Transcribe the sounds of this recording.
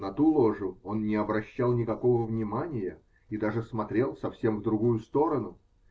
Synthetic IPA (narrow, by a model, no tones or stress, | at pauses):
nɐt̪ulˠo̞ʐʊo̞nnʲɪɐbɾɐɕːalˠnʲɪkɐko̞vəvnʲɪmanʲɪjə | id̪aʐɨsmɐt̪ɾʲe̞lˠsɐfsʲe̞mvd̪ɾʊɡujʊst̪o̞ɾənʊ